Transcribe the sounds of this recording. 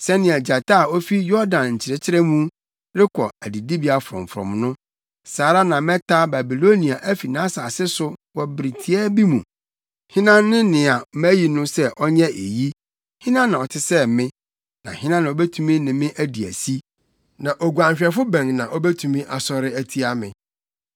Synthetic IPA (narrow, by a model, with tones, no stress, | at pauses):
sɛ˦nɪ̃˨a˨d͡ʑa˨tʰa˦˨ɔ˦fi˦jɔ˦ɾdã˨nɲ̩˨t͡ɕʰɪ˨ɾɛ˨t͡ɕʰɪ˦ɾɛ˦mũ˦ | ɾɪ˦kʰɔ˨æ˨di˨di˦bi˨˦a˨fʊ˨ɾɔ̰̃˨m˨fɾɔ̰̃˨mnʊ̃˦ | saː˨˦ɾa˦nã˨mɛ̃˦tʰa˦ba˨bi˨lo˦nĩ˨a˨ʔæ˦fi˨nã˦sa˨sɪ˦sʊ˦wɔ˨bɾi˨tʰi˨ɛ˦bi˦mũ˨ | hɪ̃˦nãː˦ɪ̃˦nɪ̃˨a˨mæ˦ji˨nʊ̃˦sɛ˦ʔɔ˦ɲɛ̃˦ʔe˨ji˦ | hɪ̃˦nã˦nã˨ɔ˨tʰɪ˦sɛ˦mɪ̃˦ | nã̰˨hɪ̃˦nã˦nã˨ɔ˦bɛ˦tʰu˦mĩ˦nɪ̃˨mɪ̃˦ʔæ˦di˨æ̰˨si˦ | nã˨ʔɔ˨ɡu˨ã˨mɕᶣɛ˨fʊ˦bɛ̃˨ŋnã˨ʔɔ˦bɛ˦tʰũ˨mĩ˦ʔa˨sɔ˦ɾɪ˦æ˦tʰi˦a˦mɪ̃˨